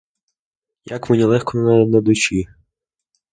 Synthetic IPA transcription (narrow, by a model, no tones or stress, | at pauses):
jakmenʲilˠɛxkɔnnajɛnɐd̪ʊt͡ʃi